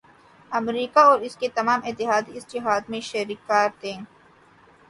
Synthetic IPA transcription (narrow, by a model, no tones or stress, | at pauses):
ɐmɾiːkaɔːɾɪsket̪ɐmaːmɪt̪ːɪɦaːd̪iɪsd͡ʒɐɦaːd̪mẽʃɐɾikːaːɾt̪ẽː